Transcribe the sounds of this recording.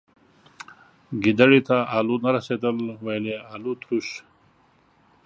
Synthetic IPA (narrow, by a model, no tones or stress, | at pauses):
ɡid̪aɽit̪aaːlunaɾɐseːd̪əlwajleaːlut̪ɾuɕ